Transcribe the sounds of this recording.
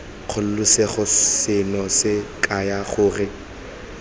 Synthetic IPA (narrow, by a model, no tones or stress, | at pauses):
q͡χʰʊl̩lʊseχʊsɪnɔsɪkʼajaχʊːrɪ